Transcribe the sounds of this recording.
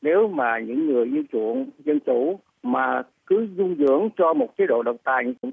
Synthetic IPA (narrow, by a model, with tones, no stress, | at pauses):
ne˨˦wmaː˨˩ɲɨ̰˧˥ŋːɨ˨˩əjʔi˧əwt͡ɕṵ˧˨ənzə˧nt͡ɕu˧˩ | maː˨˩ | kɨ˨˦zʊ˧ŋ͡mzɨ̰˧˥əŋt͡ɕɔ˧mo˨˩t̚t͡ɕe˨˦ɗo̰˧˨ɗə̰˧˨wŋ͡mt̪aː˨˩jɨ˧˥ŋ˧˨